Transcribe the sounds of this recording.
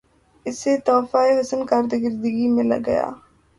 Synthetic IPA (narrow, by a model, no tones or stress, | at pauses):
ɪset̪ɔːfaeɦɐsənkaɾd̪eɡɪɾd̪əɡimɪ̃la̰ɡɐ̰ja̰ː